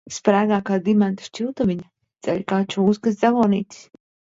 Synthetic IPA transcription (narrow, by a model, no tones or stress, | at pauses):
spɾæːɡaːkaːd̪imɛnt̪ḁʃt͡ʃilˠt̪avʲiɲa | d̪z̥ɛʎʲkaːt͡ʃuuskasd̪zavɔːnḭːt̪ʲi̥s